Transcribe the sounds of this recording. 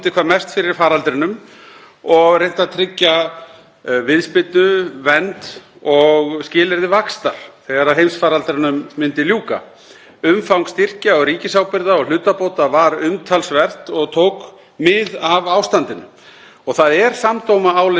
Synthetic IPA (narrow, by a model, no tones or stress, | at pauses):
t̪ɪkʰvaːɾmɛst̪fɪɾɪɾ̥faːɾalt̪ɾɪnʏm | ɔɣrejnt̪aðt̪ʰɾɪcːa | vɪðspɪt̪nʏvɛnt̪ɔɣscɪːlɛɾðɪvakst̪aɾ̥θɛɣaɾaðɦejmsfaːɾalt̪ɾɪnʏmːɪnt̪ɪljuːka̰ | ʏmfawŋkst̪ir̥caɔɣɾiːcɪsawpɪɾðaɔɣl̥ʏːt̪apowt̪avaɾʏmt̪ʰalsvɛr̥t̪ɔɣt̪ʰowk | mɪðavaːwst̪ant̪ɪnʏm | ɔɣθaðɛɾ̥samt̪owmaaːwlɪ